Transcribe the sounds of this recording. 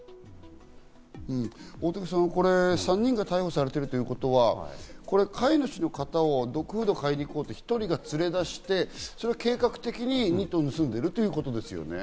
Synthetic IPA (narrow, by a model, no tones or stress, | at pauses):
ɯ̟̃ɴoːt̪okɯ̟̥s̬ãnko̞ɾe̞sãɲ̟ːĩŋɡat̪aiho̞saɾe̞t̪e̞ɾɯ̟t̪o̞jɯ̟ko̞t̪o̞βako̞ɾe̞kʰainoɕino̞kat̪ao̞d̪o̞kɯ̟ɸɯ̟d̪okaeɲʲiko̞ːt̪o̞çi̥t̪o̞ɾʲiɡat͡sɨɾe̞d̪aɕi̥t̪e̞soɾe̞ake̞ːkakɯ̟̥t̪e̞kʲiɲ̟iɲ̟ʲit̪ːoːnɯ̟sɨ̃nd̪e̞ɾɯ̟t̪ojɯ̟ːko̞t̪o̞d̪e̞sɨjo̞̰ne̞̰